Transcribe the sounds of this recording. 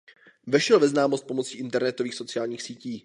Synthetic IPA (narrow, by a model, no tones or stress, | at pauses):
vɛʃɛlvɛznaːmost̪̚po̞mo̞t͡siːʔɪnt̪ɛɾnɛt̪o̞viːxso̞t͡sɪaːlɲiːxsiːciː